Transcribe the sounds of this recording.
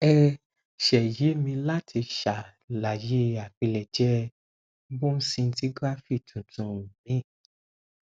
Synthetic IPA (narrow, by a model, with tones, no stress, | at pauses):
ɛ˦ | ʃɛ˨je˨˦mĩ˧la˦tʰi˧ʃa˨ | la˨je˨˦a˨k͡pi˧lɛ˨d͡ʒɛ˨˦ | bo˦n̩˦sĩ˧n̩˦ti˦ɡɾa˦fi˦˨tʰũ˨tũ˧˦˨mĩ˨˦˨